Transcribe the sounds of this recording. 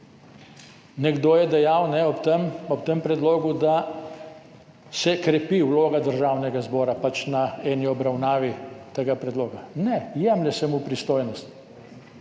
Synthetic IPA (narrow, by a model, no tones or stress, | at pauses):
nɛɡd̪oːjɛd̪ɛjawnɛɔt̪mɔpt̪empɾɛd̪loːɡud̪a | sɛkɾɛpiwloːɡad̪əɾʒaːwnɛɡazbɔːɾapat͡ʃnaɛːniɔbɾawnaːʋit̪eɡapɾɛd̪loːɡanɛjɛmlʲɛsɛmupɾist̪oːjnɔst̪